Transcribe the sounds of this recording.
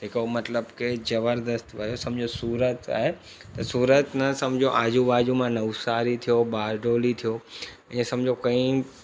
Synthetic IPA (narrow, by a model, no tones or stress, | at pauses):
ɪkomɐt̪ləbkezɐbəɾd̪əst̪ʋɐjosɐ̃md͡ʑʱosuːɾət̪a̰ːɦe | t̪ɐsuːɾət̪nɐsɐ̃md͡ʑʱoʔaːd͡ʑuʋaːd͡ʑũmãnɐʊsaːɾit̪ʰijobaːɾɖoːlit̪ʰijo | ɛ̃ːsɐ̃md͡ʑʱokɐ̃ĩ